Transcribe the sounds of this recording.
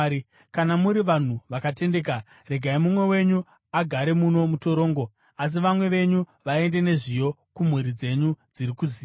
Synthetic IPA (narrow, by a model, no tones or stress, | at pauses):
kanamuɾiʋan̤uʋakate̞nde̞ːka | re̞ɡʱaimumwe̞we̞ɲu | aɡʱaɾe̞muno̞muto̞ɾo̞ːŋɡo̞ | as̬iʋamwe̞ʋe̞ɲuʋae̞nde̞ne̞ʐijo̞kum̤wuɾid͡ze̞ɲud͡ziɾikuziː